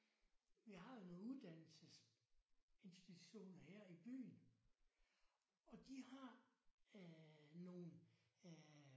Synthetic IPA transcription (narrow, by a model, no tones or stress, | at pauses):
ʋihɑ̈jo̝noːuðˠd̥æn̰l̩səs | e̝nsd̥it͡sʰuɕo̝̰ːnɐheɐ̰ib̥y̰ːn | ɒ̽d̥ihɑ̈ | no̝ːn